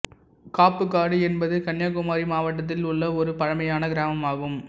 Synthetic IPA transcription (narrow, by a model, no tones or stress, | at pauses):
kaːpːɯkːaːɽɯɛnbɐðɯkɐɳjaːkʊmaːɾimaːʋɐʈːɐt̪̬ːɪlʊɭːɐɔɾɯpɐɻɐmɐjaːnɐɡɪɾaːmɐmaːɣɯm